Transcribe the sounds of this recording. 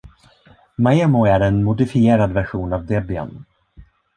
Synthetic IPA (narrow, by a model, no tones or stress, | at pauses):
maɛmʊæɾɛnmʊd̪ɪfɪeːɾad̪væɾɧuːnavd̪ɛbɪa̰n